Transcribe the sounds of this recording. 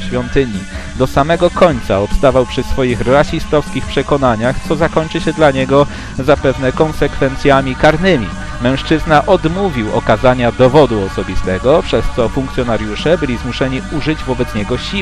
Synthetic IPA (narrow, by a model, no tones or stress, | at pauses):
ɕfʲjɔnt̪ɘɲid̪ɔsamɛɡɔkɔɲt̪saɔpst̪avawpʂɘsfɔjixɾaɕist̪ɔfskʲixpʂɛkɔnaɲaxt̪sɔzakɔɲʲt͡ʂɘɕɛd̪laɲɛɡɔ | zapɛvnɛkɔnsɛkfɛnt̪sʲjamʲikaɾnɘmʲḭ | mɛ̃w̃ʂt͡ʂɘznaʔɔd̪muvʲiwɔ̰kazaɲad̪ɔvɔd̪uɔsɔbʲist̪ɛɡɔpʂɛst̪sɔfuŋk̚t̪sʲjɔnaɾjuʂɛbɘlʲizmuʂɛɲiuʐɘd͡ʑvɔbɛt̪sɲɛɡɔɕi